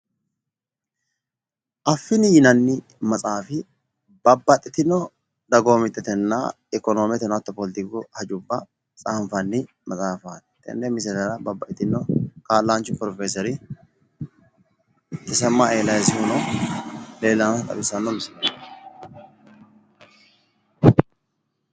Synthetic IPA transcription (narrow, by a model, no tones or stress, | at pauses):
ʔɐfːɪnɪjɪnɐnːɪ | mɐt͡sʼaːfɪ | bɐbːɐt̪ʼːɪt̪ɪnːɔ | d̪ɐɡoːmɪt̪ːɛt̪ɛnːa̰ | ɛkɔnoːmɛt̪ɛnɐt̪ːɔpɔlɪt̪ɪkʊhɐd͡ʒʊbːɐ | t͡sʼaːɱfɐnːɪ | mɐt͡sʼaːfaːt̪ɛ̥t̪ɛ̰nːɛmɪs̬ɛt̪ɐɾɐbɐbːɐt̪ʼːɪt̪ɪnːɔkaːlːaːnt͡ʃːʊpɾɔfeːsɔɾɪ | t̪ɪsɐmːaeːlɐjsɪhʊnɔ | le̞ːlːɐnfɐt̪ʼɐ̰bɪsɐnːɔmɪsɛnɐ